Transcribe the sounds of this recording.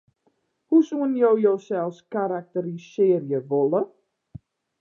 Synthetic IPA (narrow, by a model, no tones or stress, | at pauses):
husuənjowjowsɛlˠskaɾak̚təɾisɪːərjəʋolə